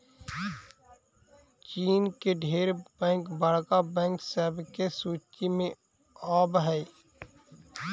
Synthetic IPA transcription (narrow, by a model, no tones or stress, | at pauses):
t͡ʃiːnkeɖʱeːɾbɛ̃ːŋkbaːɽkabɛ̃ːŋksɛːbkesuːt͡ʃimẽ | aːbɦɛː